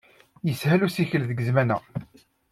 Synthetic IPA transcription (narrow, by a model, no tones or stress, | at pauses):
jəshælusiçəlðəɡəzmænæ̰